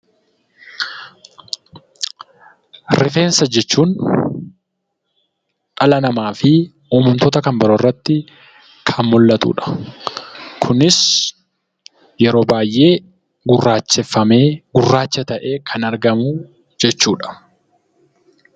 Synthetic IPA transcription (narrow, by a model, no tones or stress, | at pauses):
ɾɪfe̞ːnsɐd͡ʒɛt͡ʃːuːn | ᶑɐlɐnɐmaːfɪ | ɔːmʊnt̪oːt̪ɐkɐmbɐɾorːɐt̪ːɪ | kʰɐnmʊlːɐt̪ṵːᶑɐ̥ | kʰʊnɪs | jɛɾo̞ːbaːjʔe̞ː | ɡʊrːaːt͡ʃːɛfːɐme̞ːɡʊrːaːt͡ʃːɐt̪ɐʔeːkʰɐnɐɾɡɐmʊ | d͡ʒɛt͡ʃːuːᶑɐ̥